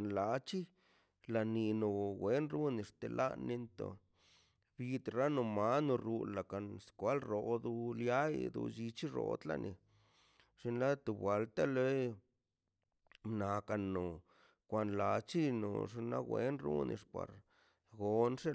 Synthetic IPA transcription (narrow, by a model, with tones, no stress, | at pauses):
nla˨˧t͡ʃi˦ | la˨ni˧no˨ɡwe˦nɾu˦ni˧˨ʂt̪e˨lʔa̰˦nːi˧nt̪o̰˨ | bi˧t̪ɾa˦no˧ma˦no˧ɾu˧la˨ka˨nskʷa˦lɾo˨d̪u˧lja˦jd̪ṵ˧d͡ʒi˧t͡ʃi˦ɾo̰˧t̪la̰˧nʔḭ˧ | ʐ̥i˧nla˦t̪u˧bwa˨lt̪a˦le˦ | mna˨ka˧nːo˨ | kʷa˧nla˧t͡ʃi˦no̰˨ʐ̬i˧nla˦ɡwʷe˦nɾṵ˦nḭ˧ʂpa̰˨ɾ | ɡo˧nʂe˦